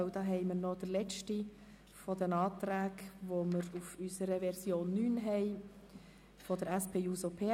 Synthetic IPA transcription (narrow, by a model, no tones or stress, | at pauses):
ʊd̥̪ɑːɦɛɪməɾnɔd̪̥əlɛt͡ʃti | fɔd̥̪ənɑːt̪ɾæːɡʋoməɾufysəɾəvɛɾsjoːnːyːnɦɛɪ | fɔdəɾæspʰeːusopʰeː